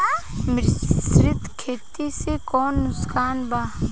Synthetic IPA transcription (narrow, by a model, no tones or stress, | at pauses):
mɾsɾɪt̪kʰeːt̪isekɔːnːʊskaːnbaː